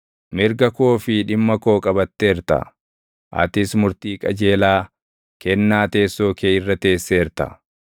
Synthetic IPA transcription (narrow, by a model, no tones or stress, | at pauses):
mɪɾɡɐkoːfɪᶑɪmːɐko̞ːkʼɐbɐt̪ːe̞ːɾt̪ɐ̰ | ʔɐ̰t̪ɪsmʊɾt̪iːkʼɐd͡ʒe̞ːlaː | kɛnːaːt̪e̞ːsːo̞ːkeːɪrːɐt̪e̞ːsːe̞ːɾt̪ɐ̰